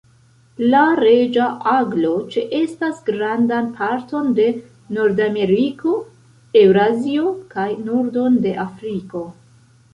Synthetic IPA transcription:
laɾe̞d͡ʒaʔaɡlo̞t͡ʃeʔe̞stasɡɾandanpʰaɾto̞nde̞ | noɾdame̞ɾiko̞ | e̞wɾazio̞kajnuɾdo̞nde̞ʔafɾiko̞

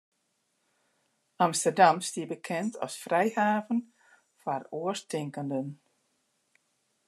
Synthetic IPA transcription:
amstərdamstiəbəkʰɛntʰɔ̰sfrɛjhaːvən | faruəstʰɪŋkəndən

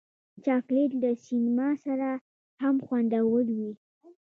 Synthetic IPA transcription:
t͡ʃɑklet̪ləsinmɑsaɾa | hamxwand̪awəlwi

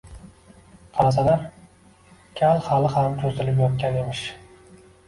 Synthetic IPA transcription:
qʰɑlas̬anaɾ | kʲʰalˠhalɪhamkʲʰɵzɪlɪp̬jɒt̪̚kʲane̞mɪʃ

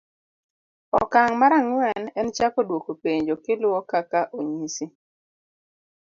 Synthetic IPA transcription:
ɔ̰kaŋmaɾaŋwɛnɛnt͡ʃakɔdwokopeɲd͡ʒokɪlʊɔkakaʔoɲisi

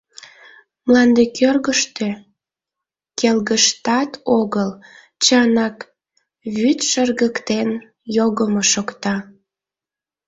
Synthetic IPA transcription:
mlɑnd̪ekʰørɣəʃt̪ø | kelɣəʃt̪ɑt̪oɣəl | t͡ɕɑnɑk | βyt̪ʃərɣəkt̪en | joɣəmoʃokt̪ɑ

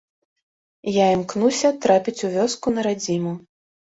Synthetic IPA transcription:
jaimknusʲɐt̪ɾapʲit͡sʲuvʲɔskunɐɾad͡zʲimu

